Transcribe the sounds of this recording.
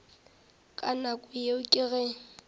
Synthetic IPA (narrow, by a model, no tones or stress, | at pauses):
kʼanakʼʊjeʊkʼɪɣɛ